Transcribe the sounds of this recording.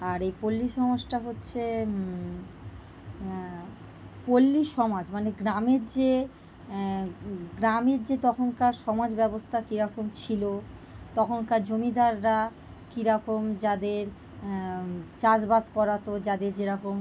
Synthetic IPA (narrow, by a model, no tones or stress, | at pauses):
aɾejpolːiʃɔmad͡ʑʈaɦotːɕʰe | polːiʃɔmad͡ʑmaneɡɾameɾd͡ʑe | ɡɾameɾd͡ʑet̪ɔkʰonkaɾʃɔmad͡ʑbɛbost̪ʰakiɾɔkomt͡ɕʰilot̪ɔkʰonkad͡ʑomid̪ʱaɾːa | kiɾɔkomd͡ʑad̪eɾ | t͡ɕad͡ʑbaskɔɾat̪od͡ʑad̪eɾd͡ʑeɾɔkom